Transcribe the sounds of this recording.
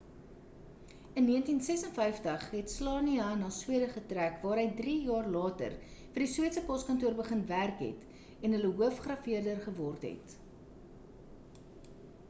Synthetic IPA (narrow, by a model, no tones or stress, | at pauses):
ənːiəntinsɛsənfɛjftəχɦɛtslɑːniɐnɑːswiədəχətrækvɑːɾɦəjdriːjɑːrlɑːtə̰rfərdiswiətsəpɔskɐntuərbəχənværkɦɛ̰t | ɛnɦələɦuəfχrɐfiərdərχəvɔrtɦɛ̰t